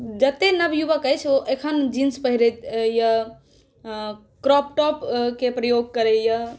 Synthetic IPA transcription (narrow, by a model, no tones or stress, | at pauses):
d͡ʒət̪enəbjubəkəjt͡ʃʰoʔekʰənd͡ʒinspəɦiɾet̪ja | kɾɔp̚ʈɔpkepɾəjoɡ̚kəɾeja